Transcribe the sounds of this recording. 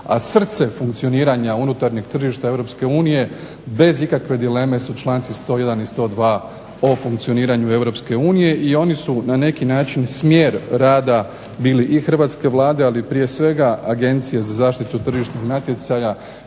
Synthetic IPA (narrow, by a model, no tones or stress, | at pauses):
a̰sr̩t̪se̞fuŋkt̪sio̞niːɾaɲaunut̪aɾɲeɡt̪r̩ʒiʃt̪ae̞vɾo̞pske̞uːnije̞ | be̞zikakʋe̞d̪ile̞me̞sut͡ʃlˠaːnt̪sist̪o̞ːje̞d̪anist̪o̞ːd̪ʋaː | o̞fuŋkt̪sio̞niːɾaɲue̞ʋɾo̞pske̞uːnije̞ʔio̞nisunane̞kinaːt͡ʃinsmjeːɾɾaːd̪a | biːliʔixr̩ʋaːt̪ske̞ʋlˠaːd̪e̞alipɾije̞sʋe̞ɡaaɡe̞nt̪sijezazaːʃt̪it̪ut̪r̩ʒiʃɲixnat̪je̞t̪saja